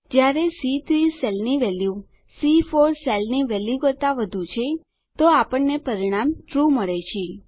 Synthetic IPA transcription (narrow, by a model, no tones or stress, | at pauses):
d͡ʒjaɾesit̪ʰɾisɛlniʋɛlju | sifoɾselniʋɛljukəɾt̪aʋəd̪ʱũt͡ʃʰe | t̪oapəɳnepəɾiɽ̃amʈɾuməɭet͡ʃʰe